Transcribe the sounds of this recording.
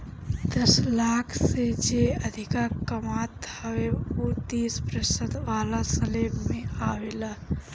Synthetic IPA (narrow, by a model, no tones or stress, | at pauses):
d̪əslakʰsẽd͡ʒeəd̪ʱikakəmat̪həweot̪ispɾəsəd̪ʋalasəlebmeaʋela